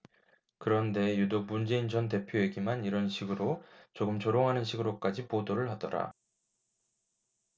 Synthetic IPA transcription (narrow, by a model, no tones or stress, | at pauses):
kɯɾʌnde̞judok̚mund͡ʑe̞ind͡ʑʌnt̬e̞pʰjoeɡimaniɾʌnɕʰiɡɯɾot͡ɕoɡɯmt͡ɕoɾoŋɦanɯnɕʰiɡɯɾok͈ad͡ʑipodoɾɯɭɦadʌ̰ɾa̰